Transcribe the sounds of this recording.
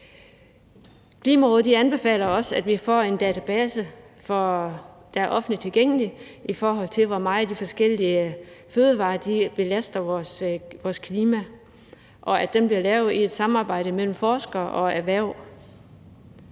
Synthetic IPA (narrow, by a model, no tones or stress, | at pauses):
kʰliːmæʁɔːðˠdiænb̥e̝fɛ̰ːl̰ɐɒ̽sæd̥ʋifɒ̰ːe̝nd̥ɛːt͡sʰæb̥ɛːsəfɒ̽d̥ææɐʔɒ̽fn̩it͡sʰe̝lɡ̥eŋ̰əliifɒːɦɒ̽l̰t͡sʰe̝lʋɒmɑ̈ːð̩ˠd̥ifɒ̽sɡ̥el̰iəføːð̞ˠəʋɑ̈ːd̥ib̥e̝læsd̥ɐsʋɒːskʰliːmæ | ʔɒ̽æd̥emb̥liɐlɛʊðˠie̝d̥sɑ̈mɑ̈ːb̥ɑ̈ɪ̰ɾ̥əmel̰m̩fɒːsɡ̥ɐʔɒ̽æʋæɐʊ̰